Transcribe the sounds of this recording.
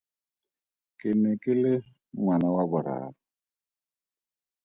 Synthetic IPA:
kʼɪnɪkʼɪlɪ | ŋwanawabʊɾa̰ːβa

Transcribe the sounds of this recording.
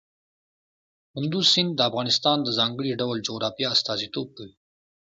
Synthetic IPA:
hʊnd̪uzsɪnd̪ːəafɣɑnɪst̪ɑːnd̪əzɑŋɡəɽiɖawld͡ʒoɣɾɑfijaːst̪ɑzit̪oːb̚kəwi

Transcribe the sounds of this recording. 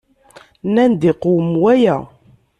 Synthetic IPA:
nænd̪iqowəmwæjæ

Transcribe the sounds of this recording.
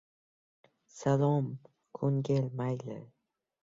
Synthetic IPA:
salɒm | kʰoŋɡʲelmajlɪ̰

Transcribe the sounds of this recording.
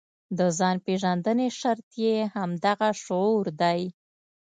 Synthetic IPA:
d̪əzɑnpeʒand̪əneʃaɾt̪jehamd̪aɣaʃoɾd̪aj

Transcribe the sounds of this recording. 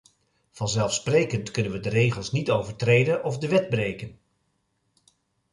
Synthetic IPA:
v̥ɑnzɛlˠfsprejkəntkɵnənʋədərejχəlˠsnitowvəɹtrejdənɔvdəʋɛd̚brejkən

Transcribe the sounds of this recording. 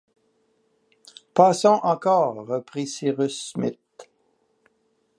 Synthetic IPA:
pasɔ̃ʔɑ̃kɔːʁːəpʁisiʁysmɪt̪̚

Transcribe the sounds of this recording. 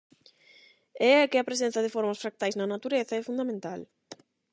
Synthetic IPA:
ɛɛkɪɐpɾesen̟θɐðɪfɔɾmɐsfɾak̚t̪ajznɐnat̪uɾeθɐɛfund̪amẽnt̪al

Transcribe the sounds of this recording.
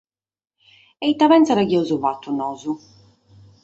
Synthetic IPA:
ɛit̪ːaβɛntsaɾaɣjɔwzuvat̪ːunɔːzu

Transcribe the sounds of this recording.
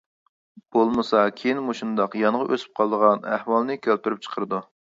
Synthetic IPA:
b̥olˠmɨsɑkʲʰejinmuʃund̪ɑqjɑnəʁɑʔøsy̥p̚qʰɑlˠəd̪əʁɑnæhwɑlˠnɨkʲʰølt̪yɾyp̚t͡ʃʰə̥qʰəɾɨd̪u

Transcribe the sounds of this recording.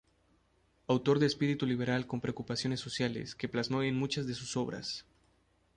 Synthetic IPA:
awt̪o̞ɾðeːspiɾit̪uliβ̞e̞ɾalko̞mpɾeokupasjo̞ne̞sːo̞sjale̞̰ske̞plazmo̞enmut͡ʃazðe̞suso̞βɾa̰s

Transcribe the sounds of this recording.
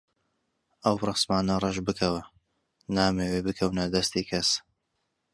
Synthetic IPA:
ʔɐwrɨsmaːnɐrˤɐʒbɨkʰɐwɐ | naːmeːwebɨkʰɐwnɐd̪ɐst̪iːkʰɐs

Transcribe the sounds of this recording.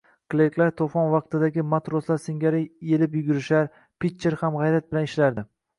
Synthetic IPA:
klˠejklaɾt̪ʰofɒnvɑq̚t̪ɪd̪aɡʲɪmat̪ɾoslaɾsɪŋɡʲaɾɪe̞lɪpjʊɡʲʊɾɪʃaɾ | pʰit̪t͡ʃːeɾhamʁɑjɾat̪̚bɪlanɪʃlaɾd̪ɪ

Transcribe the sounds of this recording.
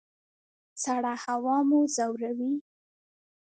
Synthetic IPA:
t͡saɽahawɑmozawɾawi

